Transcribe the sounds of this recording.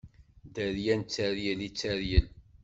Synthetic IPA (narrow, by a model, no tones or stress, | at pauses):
d̪əɾjænt͡sːæɾjəlit͡sːæɾjəl